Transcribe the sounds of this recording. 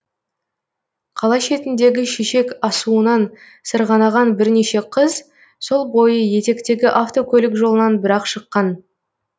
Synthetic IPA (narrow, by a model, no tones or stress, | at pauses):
qʰɑlˠɑʃe̞t̪ɪnd̪e̞ɡʲɪʃeʃe̞kɑsuənɑn | səɾʁɑnɑʁɑnbɪɾne̞ʃe̞qʰəz | so̞lˠbo̞jəje̞t̪e̞kt̪e̞ɡʲɪʔaft̪o̞kʲʰɵlɪkʒo̞lˠənɑnbɪɾɑqʃəqːɑn